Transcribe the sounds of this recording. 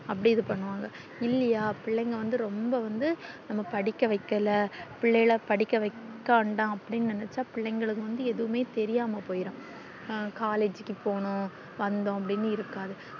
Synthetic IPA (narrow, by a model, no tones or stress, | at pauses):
ɐpːɐɽɪjɐðɯpɐɳːɯʋaːŋɡɐ | ɪlːɐjaːpɪɭːɛŋɡɐʋɐnd̪ɯɾɔmbɐʋɐnd̪ɯnɐmːɐpɐɽɪkːɐʋɐɪkːɐlɐpɪɭːɐjɪlɐpɐɽɪkːɐʋɐɪkkːaːɳɖãːɐpːɐɽɪnːɯnɪnɛt͡ʃːaːpɪɭːɐŋɡɐɭɯkːɯʋɐnd̪ɯɛðɯʋɯmeːt̪ɛɾɪjaːmɐpoːjɪɾõː | kaːleːd͡ʒɯkːɯpoːɳʊ̃ | ʋɐnd̪ʊ̃ɐp̬ːɐɽɪnːɯɪɾɯkːaːðɯ